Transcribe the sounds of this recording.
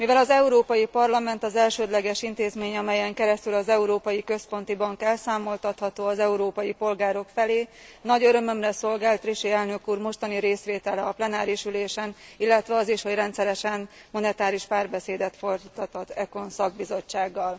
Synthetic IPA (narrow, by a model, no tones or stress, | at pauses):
mivɛlɒzɛuɾoːpɒjipɒrlɒmɛnt̪ɒzɛlʃøːd̪lɛɡɛʃint̪eːzmeːɲɒmɛjɛŋkɛɾɛst̪ylɒzɛuɾoːpɒjikø̞spo̞n̪t̪ibɒŋkɛlsaːmo̞lt̪ɒt̪hɒt̪oːɒzɛuɾoːpɒjipo̞lɡaːɾo̞kfɛleːnɒɟøɾømø̞mrɛso̞lɡaːlt̪riʃeɛlnøkuːrmo̞ʃt̪ɒniɾeːsʋeːt̪ɛlɛɒplɛnaːɾiʃyleːʃɛnilːɛt̪ʋɛɒziʃho̞ɟrɛnt̪sɛɾɛʃɛnmo̞nɛt̪aːɾiʃpaːrbɛseːd̪ɛt̪fo̞rd̪it̪ɒt̪ɒzɛko̞nsɒɡ̚bizo̞t͡ʃːaːɡːɒl